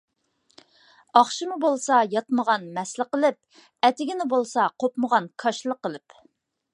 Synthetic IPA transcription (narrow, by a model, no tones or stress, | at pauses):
ɑχʃimubolˠsɑjɑt̪məʁɑnmɛslˠɪqəlˠɪp̚ | ɛt̪ɪɡʲɪnɪbolˠsɑqʰopməʁɑnkʰɑʃlˠəqːəlˠɪp